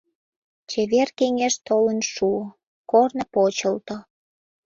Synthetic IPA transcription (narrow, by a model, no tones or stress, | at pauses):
t͡ɕeβerkeŋeʃt̪olənʃuo | kornəpot͡ɕəlt̪o